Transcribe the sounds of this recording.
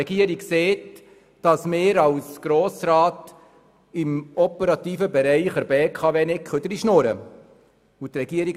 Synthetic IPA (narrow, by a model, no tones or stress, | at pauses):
ɛɡ̥iəɾikseːt | d̥ɑsmɪːɾɑwsɡ̥ɾoːsɾɑːt | ɪmɔpəɾɑt̪iːfəbɛɾɛɪχəɾbeːkʰɑːveːnɪkχød̪əɾiʃnoɾə̰ | ut̪rɛɡ̥iəɾik